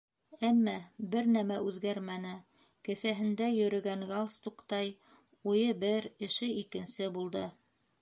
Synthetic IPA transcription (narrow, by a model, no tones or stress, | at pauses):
æmːæbɘɾnæmæʉðɡæɾmænɘ | kɘ̆θæɦɘ̆nd̪æjɵ̆ɾɵ̆ɡæŋɡɑlˠst̪ukt̪ɑj | ujɤbɘɾɘ̆ʃɘikɘ̆nsɘbulˠd̪ɤ